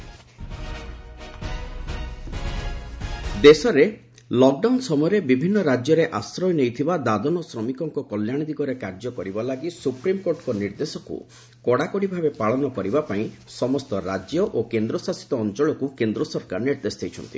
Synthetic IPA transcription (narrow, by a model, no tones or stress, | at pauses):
d̪esɔɾe | lɔk̚ɖawnsɔmɔjɔɾebibʱinːɔɾad͡ʒjɔɾeʔasɾɔjnejt̪ʰibad̪ad̪ɔnɔsɾɔmikɔŋkɔkɔljaɽ̃id̪iɡɔɾekaɾd͡ʒɔkɔɾibalaɡisupɾimkoɾʈkɔniɾd̪esɔkṵ | kɔɽakɔɽibʱabepaɭɔnɔkɔɾibapaĩ | sɔmɔst̪ɔɾad͡ʒjɔʔokend̪ɾɔsasi̥t̪ɔːnt͡ʃɔɭɔkukend̪ɾɔsɔɾkaɾniɾd̪esd̪ejt͡ʃʰɔnt̪ḭ